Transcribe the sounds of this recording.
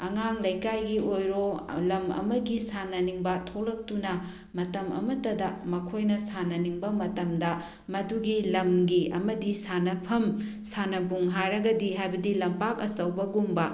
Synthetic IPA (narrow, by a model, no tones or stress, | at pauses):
ɐŋaŋlɐjkajɡiojɾolɐmɐ̰mɐɡisanɐniŋbɐtʰolɐk̚tunɐ | mɐtɐmɐ̰mɐtɐdɐmɐkʰojnɐsanɐniŋbɐmɐtɐmdɐ | mɐduɡilɐmɡiɐ̰mɐdisanɐpʰɐm | sanɐbuŋɦajɾɐɡɐdiɦajbɐdilɐmpakɐsɐwbɐɡumbɐ